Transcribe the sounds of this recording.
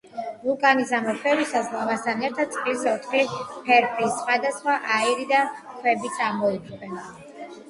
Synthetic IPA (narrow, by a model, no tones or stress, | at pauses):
vukʼanizamɛpʰɛɾisazlavast̪ʰanɛɾt̪ʰad̪̚sʼχʼisɔt̪ʰχlipʰɛɾpʰisχwad̪asχwaʔaiɾid̪akʰwɛbit̪sʼaɾmɔikʰʼɛn